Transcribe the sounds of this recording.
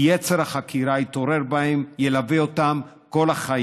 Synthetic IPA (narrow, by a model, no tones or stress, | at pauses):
jet͡seɾhaχakʰiɾait̪o̞ɾe̞ɾbahemjelaviotam | ko̞laχa